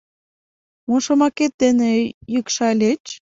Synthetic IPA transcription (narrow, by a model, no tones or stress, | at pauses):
moʃomɑket̪̚d̪enĕjykʃɑlʲet͡ɕ